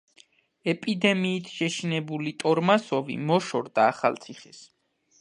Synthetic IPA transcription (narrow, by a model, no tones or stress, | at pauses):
ɛpʼid̪ɛmiːt̪ʰʃɛʃinɛbulit̪ʼɔɾmasɔvḭmɔʃɔɾd̪aːχa̰lˠt̪sʰiχɛs